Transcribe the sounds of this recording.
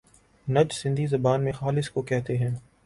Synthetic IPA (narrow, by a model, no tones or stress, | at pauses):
nɐd͡ʒsɪ̃nd̪ʱizɐbaːnmẽxaːlɪskokɛɦt̪eɦɛ̃ː